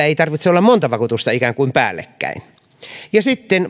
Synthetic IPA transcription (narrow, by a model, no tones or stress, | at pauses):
æeit̪ɑrʋit̪seolːɑmmont̪ɑʋɑkut̪ust̪ɑikæŋkuimpæ̰ːlːḛkːæ̰in | jɑsit̪ːen